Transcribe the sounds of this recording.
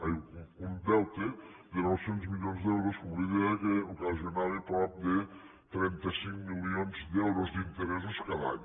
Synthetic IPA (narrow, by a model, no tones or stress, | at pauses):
ajund̪ɛlˠt̪ed̪enɔwsenzmiʎonzd̪ɛwɾoskuiðeəkeukazionaɾepɾɔp̚d̪e | t̪ɾɛnt̪əsiŋmilˠionzd̪ɛwɾozd̪int̪əɾɛs̬uskaða̰ɲ